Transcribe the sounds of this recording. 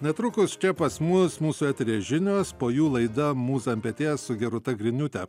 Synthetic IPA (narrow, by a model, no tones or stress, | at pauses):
nʲɛt̪ɾʊkʊst͡ʃʲɛpɐsmʊsmuːsuːɛt̪ʲɛɾʲeːʒʲɪnʲoːspoːjuːlˠɐɪd̪ɐmuːsɐmʲpʲɛt̪ʲeːssʊɡʲɛɾʊt̪ɐɡɾʲɪnʲʊt̪ʲɛ